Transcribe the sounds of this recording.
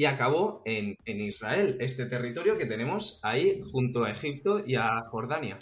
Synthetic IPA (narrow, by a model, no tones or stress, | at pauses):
iakaβ̞o̞enenizrae̞le̞st̪e̞t̪e̞rit̪o̞ɾjoke̞t̪e̞nẽ̞mo̞saixunt̪oae̞xip̚t̪o̞iaxo̞ɾð̞anja